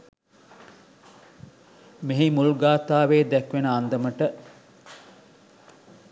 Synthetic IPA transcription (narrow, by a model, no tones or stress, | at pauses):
miɦimulɡaːt̪aːʋeːd̪ɛkʋenəand̪əməʈə